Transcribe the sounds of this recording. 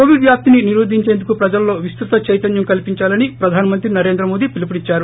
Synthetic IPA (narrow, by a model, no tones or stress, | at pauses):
koːʋiɖʋjaːp̚t̪ininiɾoːd̪ʱiɲt͡ʃe̞ːnd̪ukupɾɐd͡ʒɐlːo̞ːʋist̪ɾut̪ɐt͡ʃɐjt̪ɐnjɐmkɐlpiɲt͡ʃaːlɐnipɾɐd̪ʱaːnɐmɐnt̪ɾinɐɾe̞ːnd̪ɾɐmoːd̪ipilip̬ɐɽit͡ʃːaːɾu